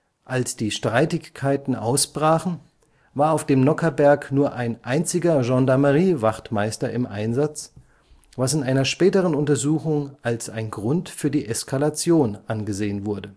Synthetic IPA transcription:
ʔalsd̥iːʃtʁ̥aɪtɪkʰːaɪtn̩ʔa̰ʊsb̥ʁaːχn̩ | vaːɐaʊfd̥eːmnɔkɐbɛɐknuːɐʔaɪnʔaɪnt͡sɪɡɐʒɑ̃ndaɐməʁiːvaχtmaɪstɐɪmʔa̰ɪnzat͡s | vasɪnʔaɪnɐʃpɛːtəʁənʊntɐzuːxʊŋʔalsaɪnɡʁʊntfyːɐdiːʔɛskʰalat͡sjoːnʔanɡəzeːənvʊɐdə

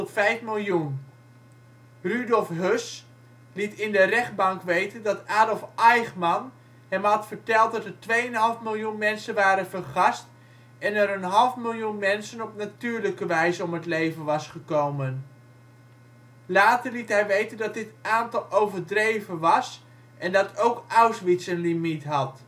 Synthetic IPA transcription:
tɔtfɛjfmɪlˠjun | rydɔlˠfɦøs | litɪndərɛχd̚bɑŋkʋejtəndɑtaːdɔlˠfɛjχmɑn | hɛmɦɑtfəɹtɛlˠt̚dɑtəɹtʋejənɦɑlˠəfmɪlˠjunmɛnsənʋaːɾənfərχɑst | ɛnəɾənɦɑlˠfmɪlˠjunmɛnsənɔpnatyːɹləkəʋɛjzəɔmɦətlejvənʋɑsχəkowmən | laːtərlitɦɛjʋejtəndɑt̚dɪtaːntɑlˠowvərdrejvənʋɑs | ʔɛndɑtʰowkawsʋisənlimitɦɑt

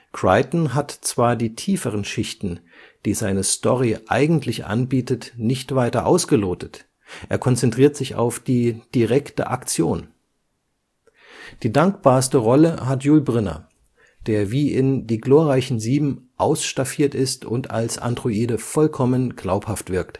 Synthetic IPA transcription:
kʁ̥aɪtn̩ɦatt͡sv̥aːɐdiːtʰiːfəʁ̞ənʃɪçtn̩ | d̥iːzaɪnəstɔʁiʔa̰ɪɡŋ̩tʰlɪçʔa̰nbiːtətnɪçtv̥aɪtɐʔa̰ʊsɡ̥əloːtət | ʔeːɐkʰɔnt͡sɛntʁ̥iːɐtz̥ɪça̰ʊfd̥iːd̥iʁɛktə̰ʔa̰kt͡sjoːn | d̥iːdaŋkb̥aːɐstəʁɔləɦatjuːlbʁɪnɐ̰ | d̥eːɐviːʔɪndiːɡloːʁaɪçn̩ziːbm̩ʔaʊsʃtafiːɐtɪstʊntʰa̰lsa̰ndʁuiːdəfɔlkʰɔmənɡ̥laʊphaftv̥ɪɐkt

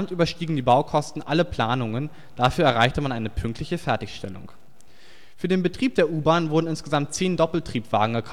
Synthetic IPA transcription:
mtʔyːbɐʃtiːɡŋ̩diːbaʊkʰɔstn̩ʔaləpl̥aːnʊŋən | d̥afyːɐɛɐʁaɪçtəmanʔaɪnəpʰʏŋk̚tʰlɪçəfɛɐtɪçʃtɛ̰lʊ̰ŋ | fyːɐdeːnbətʁ̥iːp̚d̥eːɐʔuːbaːnvʊɐdn̩ɪnsɡ̥əzamt̚t͡seːndɔpl̩tʁ̥iːpv̥a̰ːɡŋ̩ɛkʰa

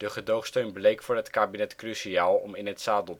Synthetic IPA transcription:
d̥əχədowχstøɥnblejkfʊːɹɦətkaːbinɛtkrysiaːlˠɔ̰mɪnɦətsaːdəlˠ

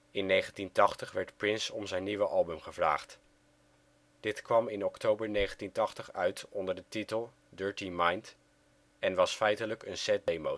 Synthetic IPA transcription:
ɪnːejχəntintɑχtəχʋɛɹtprɪnsɔmzɛjniʋəʔɑlˠbɵmχəvra̰ːχt | d̥ɪtkʋɑmɪnɔktowbəɹnejχəntintɑχtəχœɥtɔndəɹdətitəlˠ | dɜːɹtimɑjnt | ɛnʋɑsfɛjtələkənsɛt̚dejmow

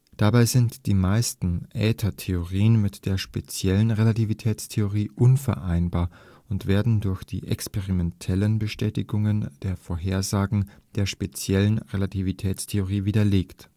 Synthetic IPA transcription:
d̥abaɪzɪntd̥iːmaɪstn̩ʔɛːtʰɐtʰeoʁiːənmɪtd̥eːɐʃpet͡sjɛlənʁelativitʰɛːt͡stʰeoʁiːʔʊnfɛ̰ɐʔaɪnbaːɐ | ʊntv̥eːɐdn̩dʊɐçd̥ḭːʔɛ̰kspeʁimɛntʰɛlənbəʃtɛːtɪɡʊŋənd̥eːɐfoːɐɦeːɐzaːɡŋ̩d̥eːɐʃpet͡sjɛlənʁelatʰivitʰɛːt͡stʰeoʁiːviːdɐleːkt

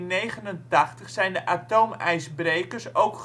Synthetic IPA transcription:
nejχənəntaχtəχsɛjndəʔatomɛjsbrejkərsowk

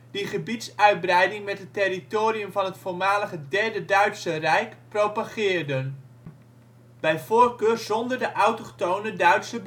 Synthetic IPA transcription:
d̥iχəbitsœɥd̚brɛjdɪŋmɛt̚ətɪritoːriəmvɑnɦətfʊːɹmaːləχədɛɹdədœɥtsərɛjkprowpaχɪːɹdən | b̥ɛjvoːɹkøːrzɔndəɹdəʔɑwtɔχtownədœɥtsəb

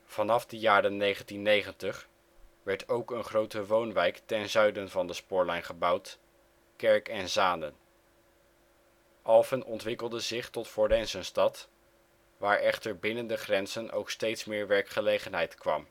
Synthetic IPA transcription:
v̥ɑnɑfdəjaːɾənːejχəntinːejχəntəχ | ʋɛɹtowkənχrowtəʋownʋɛjktɛnzœɥdənvɑndəspʊːɹlɛjnχəbɑwt | kɛɹkɛnzaːnən | ʔɑlˠvənʔɔntʋɪkəlˠdəzɪχtɔtfɔɹdɛnsənstɑt | ʋaːɹʔɛχtəɹbɪnəndəχrɛnz̥ənʔo̰wkstejtsmɪːɹʋɛɹkχəlejχənɦɛjtkʋɑ̰m

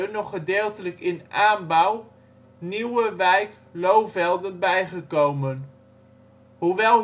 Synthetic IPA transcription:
ənɔχədɪːlˠtələkɪnʔaːnbɑw | niwəʋɛjk | lowvɛlˠdənbɛjχəkowmən | ɦuʋɛlˠ

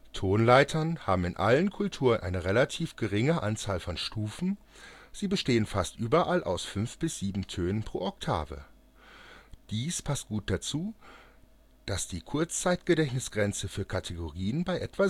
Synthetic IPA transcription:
tʰoːnlaɪtʰɐnhaːbm̩ɪnʔa̰lənkʰʊltʰuːʁənʔa̰ɪnəʁelatʰiːfɡ̥əʁɪŋəʔa̰nt͡saːlfɔnʃtuːfn̩ | z̥iːbəʃteːənfastʔyːbɐʔalʔa̰ʊsfʏnfb̥ɪsz̥iːbm̩tʰøːnənpʁ̥o̰ːʔɔk̚tʰa̰ːvə̰ | d̥iːspʰast̚ɡ̥uːt̚d̥at͡suː | d̥asd̥iːkʰʊɐt͡st͡saɪtɡ̥ədɛçnɪsɡ̥ʁɛnt͡səfyːɐkʰatʰeɡoʁiːənbaɪʔɛtv̥a

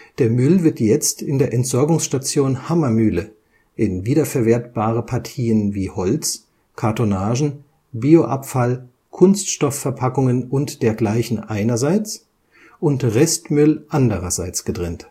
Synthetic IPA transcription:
d̥eːɐmʏlvɪɐtjɛt͡stɪndeːɐʔɛntz̥ɔɐɡʊŋsʃtat͡sjoːnhamɐmyːlə | ʔɪnviːdɐfɛɐveːɐtb̥aːʁəpʰaɐtʰiːənviːhɔlt͡s | kʰaɐtonaːʒn̩ | biːoʔa̰pfal | kʰʊnstʃtɔfːɛɐpʰakʊŋənʊntd̥eːɐɡlaɪçn̩ʔaɪnɐzaɪt͡s | ʔʊntʁɛstmʏlʔandəʁɐzaɪt͡sɡ̥ədʁɛnt

